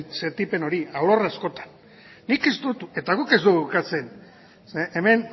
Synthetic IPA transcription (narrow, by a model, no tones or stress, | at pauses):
se̞nt̪ipe̞no̞ɾiawloreasko̞t̪ḁnː | ikest̪ut̪ue̞t̪aɣuke̞zd̪uɣukat͡se̞n | seemen